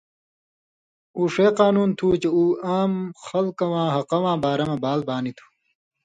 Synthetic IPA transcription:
uːʂeːqaːnuːnt̪ʰuːt͡ɕeuːaːmxɐlkɐwãːɦɐqɐwãːbaːɾɐmebaːlbaːnit̪ʰu̥

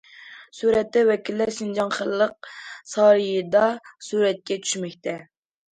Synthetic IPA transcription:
suɾɛt̪ːɛwɛkʲilːæɾsind͡ʒɑŋχəlːəq̚sɑːɾɨjɨd̪ɑsuɾɛt̪̚kʲɛt͡ʃʰy̥ʃmɛkʲt̪ʰɛ

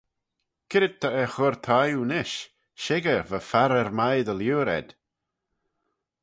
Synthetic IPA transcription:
kʰɪɾɪd̚t̪ʰːəɛxʊɾt̪ʰajunɪʃ | ʃɪɡəvəfaɾɛɾmajðəljuːɾɛ̰d̪̥

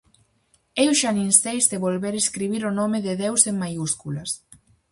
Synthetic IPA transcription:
ewʃaninst̪ejzd̪eβolβeɾeskɾiβ̞iɾonomɪðeðewseŋmajuskulɐs

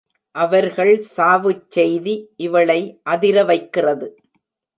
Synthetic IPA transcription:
ʔɐʋɐɾɣɐɭsaːʋɯt͡ʃːɛjðiʔɪʋɐɭɐɪʔɐðɪɾɐʋɐɪkːɪrɐðɯ

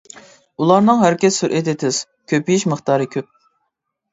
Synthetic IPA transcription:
ulˠɑɾnɨŋɦæɾkʲɛsːuɾʔɛt̪ʰɪt̪ʰɪz̥ | kʲʰøpijiʃməχt̪ɑːɾɨkʲʰøp̚

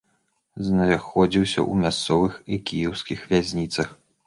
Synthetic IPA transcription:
znaxɔd͡zʲiwsʲɐ̰ʔumʲast̪sɔvɨxikʲijɛwskʲixvʲazʲnʲit̪sɐx

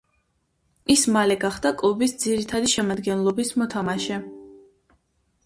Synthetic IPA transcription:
ismalɛɡaχd̪akʼlˠɔbisd̪ziɾit̪ʰad̪iʃɛmad̪ɡɛnlˠɔbismɔt̪ʰamaʃɛ

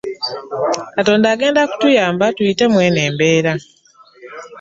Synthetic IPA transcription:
kato̞ːndaːɡe̞ːndaku̥tujaːmbatuite̞mweːne̞ːmbe̞ːɾa

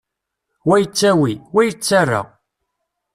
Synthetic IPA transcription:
wæjət͡sːæwiwæjət͡sːarːa̰

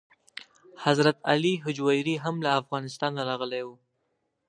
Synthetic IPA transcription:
hazɾat̪aliɦʊd͡ʒwajɾiɦamlaːfɣɑnɪst̪ɑnːaɾɑɣəlewu

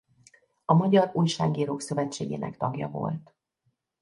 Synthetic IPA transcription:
ɒmɒɟɒruːjʃaːɡiːɾoːksø̞vɛt͡ʃːeːɡḛːnɛ̰kt̪ɒɡjɒ̰vo̞̰lt̪

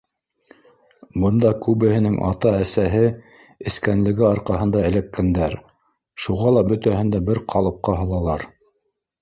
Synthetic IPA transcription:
bɤ̆nd̪ɑkʉβɘ̆hɘ̆nɘŋʔɑ̰t̪ɑæsæɦɘ | ɘ̆skænlɘ̆ɡɘɑɾqɑɦɤ̆nd̪ɑɘ̆lækːænd̪æɾ | ʃuʁɑlˠɑbɵ̆t̪æɦɘ̆nd̪æbɘɾqʰɑlˠɤ̆p̚qɑɦɤ̆lˠɑlˠɑɾ

